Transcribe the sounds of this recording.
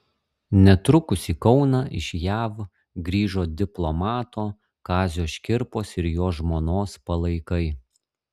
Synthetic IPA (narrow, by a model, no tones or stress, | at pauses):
nʲɛt̪ɾʊkʊsʲiːkɒʊnɑʔɪ̰ʃjæːʋ | ɡɾʲiːʒoːd̪ʲɪplˠɔmɑːt̪oː | kɑːzʲoːʃʲkʲɪɾpoːsɪɾjoːʒmoːnoːspɐlˠɐɪkɐɪ